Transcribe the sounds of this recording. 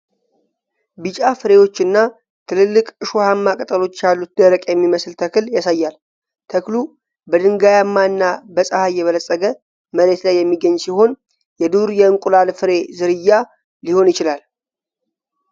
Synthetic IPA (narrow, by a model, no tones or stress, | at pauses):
bɨt͡ʃʼafɨɾe̞wo̞t͡ʃːɨnːa | t̪ʰɨlɨlːɨkʼɨʃuhamːakʼət̪ʼəlo̞t͡ʃːjalːut̪̚d̪əɾəkʼjɛmːiməsɨlt̪ʰəkɨljasajːal | t̪ʰəklu | bəd̪ɨŋɡajamːaɨnːabəsʼəhajːɛβələsʼːəɡə | məɾe̞t̪lajːɛmːiɡəɲːsiho̞n | jɛd̪uɾjɛɨŋkʷʼulalfɨɾe̞zɨɾɨjːa | liho̞njɪt͡ʃɪlal